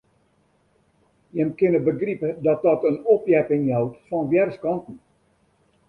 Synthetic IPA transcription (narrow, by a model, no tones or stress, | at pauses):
jɛmkɪnəbəɡripədɔt̚dɔtənɔpjɛpɪŋɦɛwtfɔnʋjɛrskɑntn̩